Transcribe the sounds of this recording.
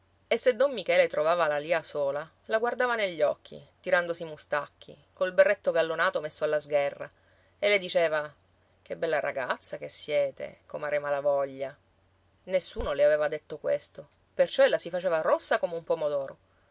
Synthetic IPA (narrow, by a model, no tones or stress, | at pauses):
esːed̪ɔmːikɛːlet̪ɾovaːvalaliːasoːla | laɡward̪aːvaneʎːɔkʰːḭt̪iɾand̪osimust̪akʰːḭ | koilberːet̪ːoɡalːonaːt̪omesːoalːazɡɛrːa̰ | elːed̪it͡ʃeːva | k̟ebːɛlːaɾʔa̰ɡat̪sːakesːjɛːt̪ḛkomaːɾemalavɔʎːa | nesːuːnoleaveːvad̪et̪ːokwḛst̪o | pert͡ʃɔelːasifat͡ʃeːvarosːakomeumpomod̪ɔːɾo